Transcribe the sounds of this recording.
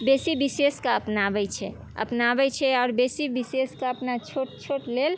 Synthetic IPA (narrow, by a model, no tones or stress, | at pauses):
besibiseskaəpnabɛt͡ʃʰɛ̰ | ə̰pnabɛt͡ʃʰɛɔːɾbesibiseskaəpnat͡ʃʰoʈt͡ʃʰoʈlel